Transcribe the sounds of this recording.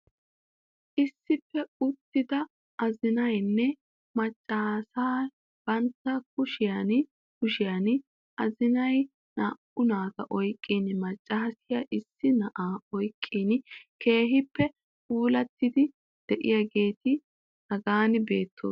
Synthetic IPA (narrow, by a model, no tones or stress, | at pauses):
ʔɪsːɪpːɛʊt̪ːɪd̪ɐ | ʔɐzɪnɐjnːɛ | mɐt͡ʃʼːɐsaː | b̥ɐnt̪ːɐk̚ʊʃɪjɐn | kʊʃɪjɐn | ʔɐzɪnɐj | naːʔʊnaːɡɐʔɔjkʼːinɪmɐt͡ʃʼːɐɦɐsɪjaʔɪsːɪnɐʔaːɔjkʼːiːnɪkʰe̞ːɦɪpːɛ | uːlɐt̪ːɪd̪ɪ | d̪̥ɛʔɪ̰jɐɡe̞ːt̪ɪ | nɐɡaːnɪbe̞ːt̪ʰːo̰ː